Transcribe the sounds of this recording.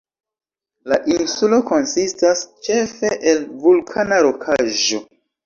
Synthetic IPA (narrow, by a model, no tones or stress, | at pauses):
laʔinsulo̞ko̞nsistast͡ʃe̞fe̞ʔelvulkʰanaɾo̞kʰaʒo̞